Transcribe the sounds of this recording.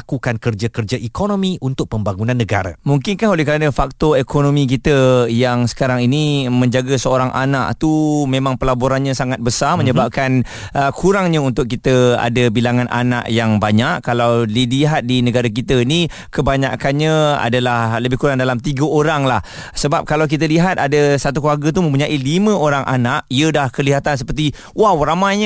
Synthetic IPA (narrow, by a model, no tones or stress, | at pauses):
akukankərd͡ʒakərd͡ʒaʔikonõmiʔunt̪ʊk̚pəmbaŋunãnːəɡa̰ɾamuŋkɪnkaholɛhkəɾanəfak̚t̪oekʰonomĩk̬it̪əjaŋsə̥kaɾaŋinimə̃ɲd͡ʒaɡasəoɾaŋʔa̰naʔt̪umẽmãŋpəlaboɾanɲasaŋat̪̚bəsamə̃ɲəbap̚kan | əkʰuɾaŋɲaunt̪ʊk̚ːit̪əa̰dabilaŋanʔa̰na̰ʔjaŋbaɲaʔkalawliliɦat̪̚dinəɡaɾakit̪əni | kəbaɲakanɲaa̰dalahləbɪhkuɾaŋdalamt̪iɡəoɾaŋlah | səbap̚kalawk̬it̪̬əliɦat̪̚adəsat̪̬ukluarɡət̪̬umə̃mp̬uɲaʔilimə̃oɾaŋʔa̰naʔiədahkəliɦat̪ans̬əpərt̪̬i | wahwɾamaɲa